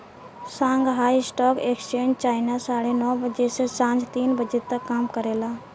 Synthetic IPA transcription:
sãːŋɡɦaːiɪsʈɔːkeːkst͡ʃeːɲd͡ʒt͡ʃaːɪnasaːɽenɔːbəd͡ʒesesãːɲd͡ʒʱt̪iːnbəd͡ʒeːt̪əkːaːmkəɾeːlaː

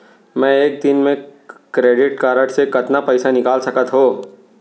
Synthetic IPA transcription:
mɛ̃eːk̚d̪ɪnmẽkɾeːɖɪʈkaːɾəʈsekɐt̪napɛɪsanɪkaːlsɐkət̪ɦoː

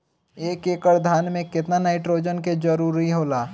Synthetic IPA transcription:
eːkeːkəɾd̪ʱaːnmẽkɪt̪nanaːɪʈɾoːd͡ʒənked͡ʒəɾuːɾiɦoːlaː

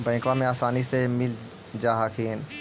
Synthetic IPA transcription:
bɛ̃ːkʋãmẽaːsaːnisemɪl | d͡ʒaːɦakʰiːn

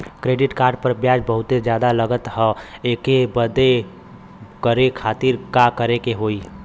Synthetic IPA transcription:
kɾeːɖɪʈkaːɾɖpəɾbjaːd͡ʒbəɦʊt̪ed͡ʒjaːd̪aləɡət̪ɦə̃eːkebəd̪e | kəɾekʰaːt̪iɾkakəɾekeɦoːi

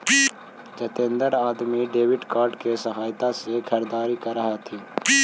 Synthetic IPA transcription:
t͡ʃɐt̪ẽːnd̪əɾaːd̪miɖeːwɪɖkaːɾɖkesɐɦaːjt̪asekʰɐɾd̪aːɾikɐɾːɐɦat̪ʰiː

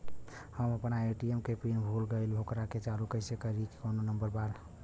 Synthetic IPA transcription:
həməpnaeʈiemkepinbʱulɡəɪlɦokɾaket͡ʃalukəɪsekəɾike̥kononəmbəɾbal

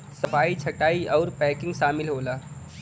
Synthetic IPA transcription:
sɐpʰaːit͡ʃʰɐʈaːiʔɔːɾpɛːkɪ̃ŋɡʃaːmɪlɦoːlaː

